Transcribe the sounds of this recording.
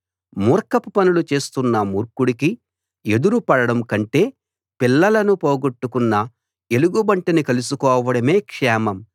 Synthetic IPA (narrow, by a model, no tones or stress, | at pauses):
muːɾkɐpupɐnulut͡ʃe̞ːst̪unːɐmuːɾkuɽiki | e̞d̪uɾupɐɽɐɽɐmkɐɳʈe̞ː | pilːɐlɐnupoːɡoʈːukunːɐ | e̞luɡubɐɳʈɐnikɐlusukɔːʋɐɽɐme̞ːkʂɛːmɐm